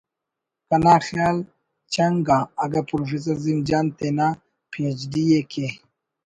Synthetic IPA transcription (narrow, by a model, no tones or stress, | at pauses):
kɐnaːxjaːl | t͡ɕɐŋɡaːɡɐpɾofis̬ɐɾzimd͡ʒaːnt̪ena | pʰẽːd͡ʑɖijekʰe